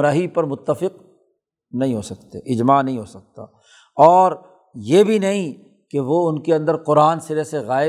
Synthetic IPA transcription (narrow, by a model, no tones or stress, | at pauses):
ɾaːɦipɐɾmʊt̪ːəfɪq | nɐɦĩɦoːsɐkt̪ḛʔɪd͡ʒmaːnɐɦĩɦoːsɐk̚t̪a̰ː | ɔːɾ | jebʱinɐɦĩ | keʋoʊnkeɐ̃nd̪əɾqʊɾaːnsɪɾeseɣaːɪ